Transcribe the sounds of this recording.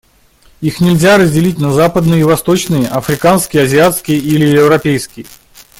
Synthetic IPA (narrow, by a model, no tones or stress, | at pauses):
ixnʲɪlʲzʲaɾəzʲdʲɪlʲit̚ʲnɐzapəd̪nɨjəivɐst̪o̞t͡ɕnɨjəʔɐfɾʲɪkanskʲɪjəɐzʲɪat̪skʲɪjəʔilʲɪɪvɾɐpʲejskʲɪjə